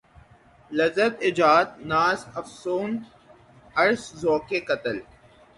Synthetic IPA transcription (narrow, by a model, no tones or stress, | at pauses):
lɐzət̪ɪd͡ʒaːd̪̚naːzɐfsoːn | ɐɾszoːkekɐt̪əl